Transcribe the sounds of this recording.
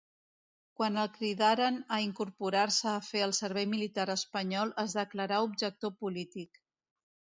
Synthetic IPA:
kwanəlˠkɾiðaɾənəiŋkuɾpuɾarsəːfeəlˠsəɾβ̞ɛjmilit̪aɾəspəɲɔlˠəzðəkləɾaub̚ʒək̚t̪opulit̪ik

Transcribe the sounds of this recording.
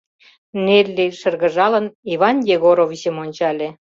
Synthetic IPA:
nerleʃə̆rɣə̆ʒɑləniβɑnjeɣoɾowisemonʲt͡ɕɑlʲĕ

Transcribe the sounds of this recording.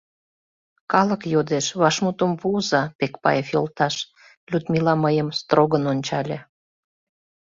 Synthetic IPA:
kɑləkjod̪eʃβɑʃmut̪əmvuzɑpekpɑ̰jefjolt̪ɑʃ | lʲud̪mʲilɑməjəmst̪roɣənonʲt͡ɕɑlʲe

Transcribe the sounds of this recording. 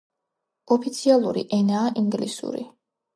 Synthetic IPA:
ɔpʰit̪sʰialˠuɾḭʔɛnaːʔiŋɡlisṵɾḭ

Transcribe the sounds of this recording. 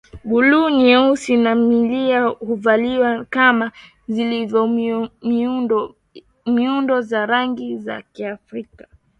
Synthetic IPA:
ɡulunɛusinamiliahuvaliwakama | zilivɔ | miundɔzaɾaŋɡiza̰kiafɾikḁ

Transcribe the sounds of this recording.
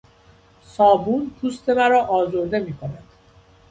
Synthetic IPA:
sɒːbuːnt̪ʰust̪ʰe̞mæɾɒːʔɒːzoɾd̪e̞miːkʰo̞nænd̪̥

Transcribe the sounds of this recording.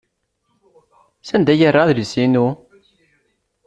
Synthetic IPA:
sænd̪æjərˤːaðləsinu

